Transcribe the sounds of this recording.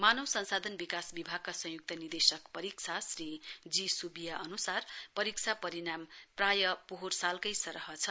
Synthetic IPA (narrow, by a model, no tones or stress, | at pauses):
manʌwsʌnsad̪ʱʌnbikasbibʱaɡ̚kasʌ̃ɦjuk̚t̪ʌnird̪esʌkpʌɾik̚t͡sʰasrid͡zisubijaʔʌnusarpʌɾik̚t͡sʰapʌɾinamprajʌpoɦursalkʌjsʌɾʌɦʌt͡sʰʌ